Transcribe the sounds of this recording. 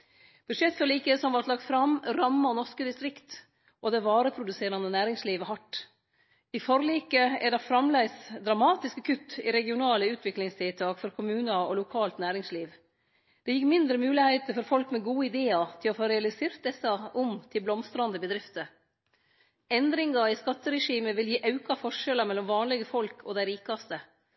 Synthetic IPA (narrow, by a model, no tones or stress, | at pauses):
b̥ʉd̪ʂɛt̪ːfɔɾliːkəsɔmʋɑʈ̪lɑk̚t̪fɾɑmɾɑmːɑnɔʂkəd̪ɪst̪ɾɪkt̪ | ʔɔd̪ɛʋɑːɾəpʰɾʊd̪ʉseːɾɑnənæːɾɪŋsliːʋəhɑʈː | ɪfɔɾliːkəæɖɑfɾɑmlæɪsd̪ɾɑmɑːt̪ɪskəkʰʉt̪ːɪɾɛɡɪʊnɑːləʉːt̪ʰʋɪklɪŋst̪ʰɪlt̪ʰɑːkfɔɾkʰʊmʉːnəɔlʊkʰɑːlt̪næːɾɪŋsliːʋ | d̪̥ɛjɪkːmɪnd̪ɾəmʉːlɪhæɪt̪əfɔɾfɔlkmɛɡuːəɪd̪eːɑt̪ʰɪlɔfoːɾɛɑlɪseːɾt̪̚d̪ɛsɑʊmt̪ʰɪlblɔmst̪ɾɑnd̪əbəd̪ɾɪft̪ə | ɛnd̪ɾɪŋɑɪskɑt̪ːəɾɛʂiːməʋɪljiːʔɑʉkɑfɔʂɛlɑmɛlːɔmʋɑːnlɪɡəfɔlkʰɔd̪æɪɾiːkɑst̪ə